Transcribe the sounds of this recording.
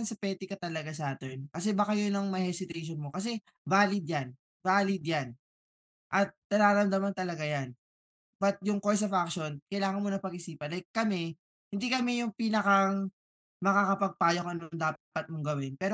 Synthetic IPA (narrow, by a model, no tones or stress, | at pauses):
nsɐpɛːt̪ɪkɐt̪ɐlɐɡasaːt̪ɛnkɐs̬ɛbakajonɐŋmɐhɛsɪt̪ɛjʃ̬onmokɐs̬ɛ | vaːlɪd̪̚jan | vaːlɪd̪̚jan | ʔɐt̪̚nɐnaːɾɐmd̪amɐnt̪ɐlɐɡajan | bɐt̪̚jʊŋkols̬ɐfakʃo̞nkɐjlaːŋɐnmonɐpɐɡʔɪsiːpɐnlɐjk̚kːɐmɛ | hɪnd̪ikɐmɛjʊŋpiːnɐkaŋ | mɐkakɐpɐɡ̚paːjokɐnoŋd̪aːppɐt̪̚moŋɡɐwɪnpɛːɾo